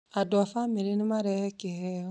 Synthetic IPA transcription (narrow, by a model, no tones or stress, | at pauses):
adɔfameɾenimaɾɛkɛɛ